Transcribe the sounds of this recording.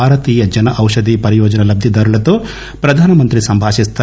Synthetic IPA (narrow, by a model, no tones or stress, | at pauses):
aːɾɐt̪iːjɐd͡ʒɐnɐʔɐwʂɐd̪iːpɐɾijɔːd͡ʒɐnɐlɐb̚d̪jid̪ɐːɾulɐt̪oː | pɾɐd̪ʱaːnɐmɐnt̪ɾisɐmbʱaːʃist̪a